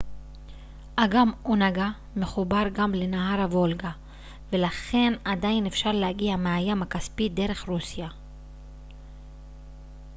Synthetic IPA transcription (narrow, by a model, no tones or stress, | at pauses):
ʔaɡamonaɡa | meχubaʁɡamlenaɦaɾavo̞lɡa | velaχe̞nad̪ainefʃaʁlehaɡiameajamhakaspid̪e̞ʁe̞χʁusja